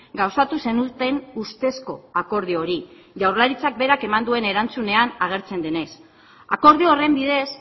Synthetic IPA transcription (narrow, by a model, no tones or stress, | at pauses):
ɡawsat̪use̞nut̪e̞nust̪e̞sko̞ako̞ɾð̞io̞ɾi | ʝawrlaɾit͡sak̚be̞ɾake̞mand̪ue̞ne̞ɾant͡sune̞anaɣ̞e̞ɾt͡se̞nd̪e̞ne̞s | ako̞ɾð̞ioore̞mbiðe̞s